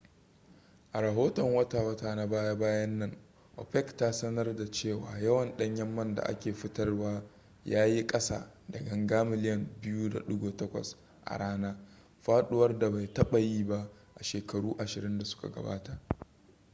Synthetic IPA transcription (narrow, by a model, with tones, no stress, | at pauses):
ʔa˨ɾɐ˨ɦoː˦tɔ˨ŋwɐ˦taː˨wɐ˦taː˨na˦baː˦ja˦baː˦jɐ˦nːɐ˦ŋ | ʔɔ̰˨ɸɛ˦ktaː˦sɐ˦nɐ˦rda˨t͡ʃeː˦˨wa̰ː˦jɐ˦wɐ˨nɗɐ˦ɲjɐ˦mːɐ˦nda̰˨ʔa̰˦kʲeː˨ɸɪ˦tɐ˦rwaː˦ | jaː˦ji˦kʼɐ˦sa̰ː˦˨dɐ˨ɡɐ˨ŋɡaː˦mɪ˨lɪ˦jɐ˨mbɪ˦juː˦da̰˨ɗʊ˦ɡoː˨tɐ˦kʷɐ̰˨s | ʔa̰˨ɽaː˦naː˦ | ɸaː˦ɗʊ˦wɐ˦rda˨ba˨jtɐ˦ɓɐ˨jiː˦ba˦ʔ | ʔa˨ʃeː˨kɐ˨ɽuː˦ʔa˨ʃɪ˨ɾɪ˦nda˨sʊ̥˦ka̰˨ɡɐ̰˨ba̰ː˦ta˨ʔ